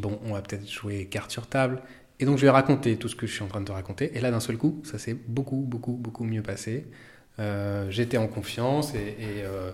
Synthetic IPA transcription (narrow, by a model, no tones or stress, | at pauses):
bɔ̃ʔɔ̃vapø̥t̪ɛt̪χʒ̥uwekaʁt̪syʁt̪abl | ed̪ɔ̃kʒəvɛʁakɔ̃t̪et̪usə̥kəʒəsɥiɑ̃t̪χɛ̃d̪əʁakɔ̃t̪eʔelad̪ɛ̃sœlkusasɛbokubokubokumjøpase | øʒet̪ɛɑ̃kɔ̃fjɑ̃seːø